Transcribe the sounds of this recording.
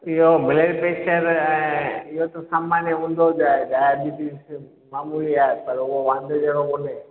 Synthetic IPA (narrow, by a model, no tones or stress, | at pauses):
ɪɦobɪleɾpeːt͡ʃəɾɛ̃ɪɦot̪õsamaːnjəɦũːnd̪od͡ʒaːeɖajabiʈis | maːmuliaepɐɾuɦoʋãːnd̪ʱed͡ʒeɽokone